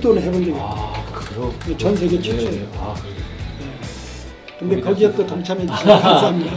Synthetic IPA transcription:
tonɯhebondeɡ | net͡ɕʌnsʰeɡet͡ɕʰot͡ɕʌj | je | kɯnde̞kʌɡiʌt͈ʌtʌŋt͡ɕʰameit͡ɕʰisʰaŋsʰaɦamɲida

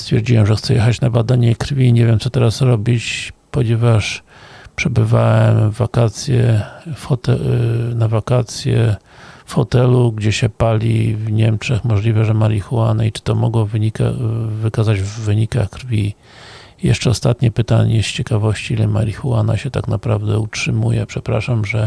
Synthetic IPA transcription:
st̪fʲjɛɾd͡ʑiwɛmʐɛxt̪sɛjɛxat͡ɕnabad̪aɲɛkɾfʲiɲɛvʲjɛmt̪sɔt̪ɛɾasɾɔbʲit͡ɕpɔɲɛvaʂ | pʂɛbɘvawɛmvakat̪sʲjɛfxɔt̪ɛnavakat̪sʲjɛ | fxɔt̪ɛluɡd͡ʑɛɕɛpalʲḭvɲɛmt͡ʂɛxmɔʐlʲivɛʐɛmaɾʲixuwanait͡ʂɘ̥t̪ɔmɔɡwɔvɲika̰vɘkazad͡ʑvːɘɲikaxkɾvʲi | jɛ̰ʂt͡ʂɛɔst̪at̪ɲɛpɘt̪aɲɛʂt͡ɕɛkavɔɕt͡ɕiilɛma̰ɾʲixuwana̰ɕɛt̪aknapɾavd̪ɛutʂɘmujɛpʂɛpɾa̰ʂamʐɛ

